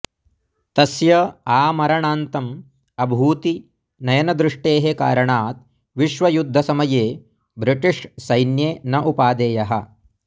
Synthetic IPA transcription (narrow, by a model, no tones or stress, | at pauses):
t̪ɐsjɐaːmɐɾɐɳaːnt̪ɐm | ɐbʱuːt̪i | nɐjɐnɐd̪ɾɪʂʈeːɦeka̰ːɾɐɳaːt̪̚ | ʋiʃʋɐjud̪ʱːɐsɐmɐjeː | bɾiʈiʂsɐjnjeːnɐʔupaːd̪eːjɐɦɐ̰̆